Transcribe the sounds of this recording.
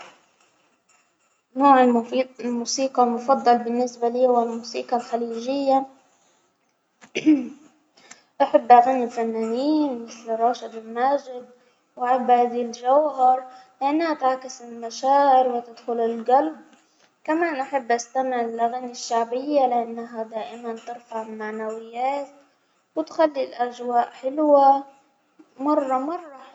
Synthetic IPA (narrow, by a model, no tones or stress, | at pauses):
noːʕɪlmuːsiːqɑlmʊfɑd̪ˤːɑlbɪnːɪsbaliːwalmuːsḭːqɑlxaliːʒɪjːa | ʔaħabːʔaɣanilfanːaːniːnmɪθlrˤːɑːʃad̪ɪlmaːd͡ʒɪd̪̚ | wʔaħabːhaːd̪ild͡ʒawɦɑɾˤlɪʔanːhat̪aʕkɪsɪlmaʃaːʔɪɾwɪt̪ɪd̪xʊlɪlɡalb | kamaːnʔaħɪbːʔast̪amɪʕɪlʔaɣaniʃːaʕbɪjːalɪʔanːaɦad̪aːʔɪmant̪ɪɾfaʕɪlmaʕnawɪjːaːt̪̚ | wɪt̪xalːilʔaʒwaːʔħɪlwa | mɑrˤːɑmɑrˤːɑ